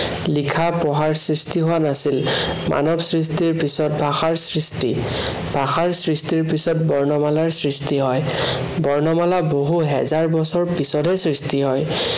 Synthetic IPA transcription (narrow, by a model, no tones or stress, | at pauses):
likʰapɔɦaɹsɹistiɦowanasil | mʔa̰nɔbsɹis̬tiɹpisɔt̚bʱaxaɹsɹisti | bʱaxaɹsɹistiɹpisɔt̚bɔɹnɔmalaɹsɹistiɦɔj | bɔɹnɔmalaboɦuɦɛ̰zaɹbɔsɔɹpisɔtɛsɹistiɦɔj